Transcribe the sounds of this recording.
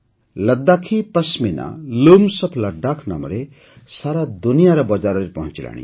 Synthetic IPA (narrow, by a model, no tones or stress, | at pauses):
lʌd̪ːakʰipʌsmina̰lumsʌpʰlaɖakʰnʌmɾe | saɾad̪unijaɾʌbʌd͡zaɾʌɾepʌɦũnt͡sila̰nḭ